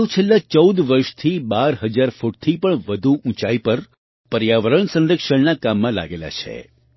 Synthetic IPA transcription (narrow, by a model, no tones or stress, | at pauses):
ũt͡ʃʰelːat͡ʃəwd̪ʋəɾʃt̪ʰibaɾɦəd͡ʒaɾfuʈ̚t̪ʰipəɳʋəd̪ʱuʔũt͡ʃaipəɾ | pəɾjaʋəɾəɳsə̃nɾəkʃəɳnakamːãla̰ɡela̰t͡ʃʰḛ